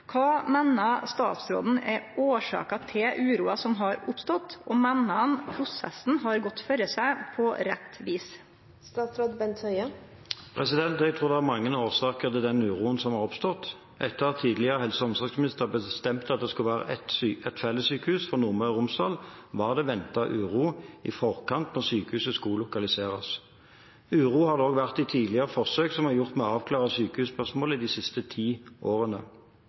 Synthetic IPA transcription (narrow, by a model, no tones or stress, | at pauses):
kʰɑːmɛːnːɑst̪ɑ̰ːt̪sɾo̰ːd̪n̩ɛoːʂɑ̰ːkɑt̪ʰɪʔʉːɾuːɑsɔmɦɑɾʊpst̪ɔt̪ːɔmɛnːɑnpʰɾʊsɛ̰sn̩ɦɑɾɡɔt̪ːfœɾəsæɪpʰɔɾɛt̪ːʋiːs | st̪ɑːt̪sɾoːd̪bɛnt̪hœʏə | pʰʁɛsɪd̪ɛnt̪ɛɡt̪ʰʁuːʁd̪ɛæʁmɑŋːənoːʁsɑːkəʁt̪ɪld̪ɛnʉːɾuːənsɔmhɑʁɔpst̪ɔt̪ː | ʔɛt̪ːəɑt̪ʰːiːd̪lɪəʁəhɛlsəɔmsɑksmɪnɪst̪əʁbəst̪ɛmt̪ɑt̪̚d̪ɛskʉləʋæːʁə̰ɛt̪ːɛt̪fɛlːəsyːkəhʉːsfɔʁnʊʁməʁɪʁʊmsd̪ɑːlʋɑːʁd̪ɛʋɛnt̪ɑʔʉːʁuːɪ̰fɔʁkɑnt̪nɔʁsyːkəhʉːsəskɑlʊkɑlɪseːʁə̰s | ʉːʁuːhɑd̪əoːɡʋæʁt̪ɪt̪ʰiːd̪lɪəʁəfɔʁsøːksɔmhɑʁjʊʁt̪mɛɔɑːʋkʰlɑːʁəsyːkəhʉːspœʁsmoːləɪd̪ɪsɪst̪ət̪ʰiːʔoːʁənə̰